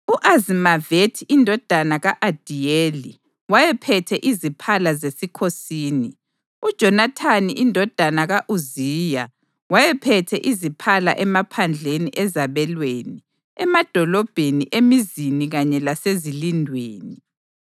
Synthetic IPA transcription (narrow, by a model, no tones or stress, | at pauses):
uʔazimavetʰiindʱɔd̥ʱanaɣaʔad̥ʱijeli | wajɛpʰɛtʰɛʔizipʰalazesikʰosiːni | ud̥ʒ̥ʱɔnatʰaniʔindʱɔd̥ʱanaɣaʔuziːja | wajɛpʰɛtʰɛ̰ʔizipʰala̰ʔɛmapʰand͡ɮʱeniʔɛzaβɛlweni | ɛmad̥ʱɔlɔb̥ʱeniʔemiziniɣaɲɛlasezilindʱweːni